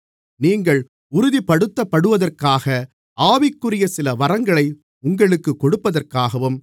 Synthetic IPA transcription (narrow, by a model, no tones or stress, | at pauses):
niːŋɡɐɭ | ʊɾʊðipːɐɽɯt̪ːɐpːɐɽɯʋɐðɐrkaːɣɐ | ʔaːʋɪkːɯrɪjɐsɪlɐʋɐɾɐŋɡɐɭɐɪ | ʊŋɡɐɭɯkːɯkːɔɽɯpːɐðɐrkaːɣɐʋɯm